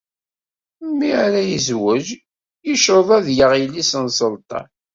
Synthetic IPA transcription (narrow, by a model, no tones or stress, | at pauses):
mːiɾæjəzwəʒ | jəʃoðˤæðjəʁilːisənsəlt̪ˤɑ̰